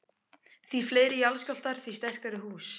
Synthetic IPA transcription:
θvifleːjɾɪjalscɔl̥t̪aɾ̥θist̪ɛr̥kaɾɪɦuːs

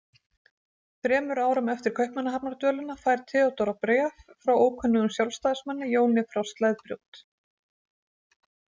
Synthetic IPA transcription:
fɾɛːmʏɾaːwɾʏmœft̪ɪɾ̥kʰœɥhpmɛnːaɦapnaɾt̪œːlʏnafaːjɾ̥t̪ʰɪðawt̪ɔɾapɾɛffɾawoːwkʰœnːʏɣʏmsjawlst̪ajðsmanːɪjoːwnɪfɾɔwst̪lajðpɾjo̰wt̪

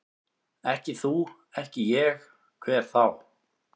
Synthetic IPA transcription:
ɛhcɪθu | ɛhcɪjɛx | kʰvɛɾ̥θaw

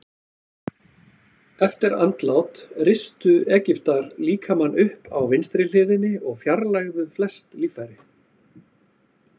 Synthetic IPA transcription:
ɛft̪ɪɾant̪lawt̪ɾɪst̪ʏɛːcɪft̪aɾliːkʰamanːʏhpʰawvɪnst̪ɾɪl̥ɪːðɪnːɪɔɣfjaɾlajɣðʏflɛst̪liːfajɾɪ

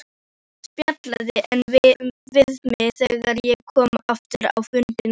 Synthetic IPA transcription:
spjat̪laðɪʔɛnvvɪðmɪθɛɣaɾjɛkʰɔːmaft̪ʏɾa̰wfʏnt̪ɪn

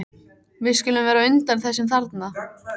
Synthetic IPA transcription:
vɪðskcʏːlʏmvɛːɾaʏnt̪anθɛsːɪmθaɾt̪na

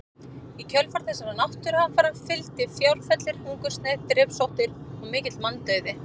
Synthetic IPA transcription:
icʰœlfaɾ̥θɛsaɾanawht̪ʏɾafaːɾhanfɪlt̪ɪfjawlfɛt̪lɪɾ̥huŋkʏst̪nɛt̪ɾɪːpsowht̪ɪɾɔɣmɪːcɪt̪lmanːt̪œɥðɪ

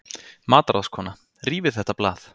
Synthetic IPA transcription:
maːt̪aɾaskʰɔːna | riːvɪ̥θɛht̪aplaːθ

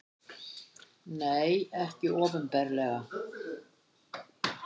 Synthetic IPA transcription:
neːjɛhcɪɔːvʏmpɛɾlɛɣa

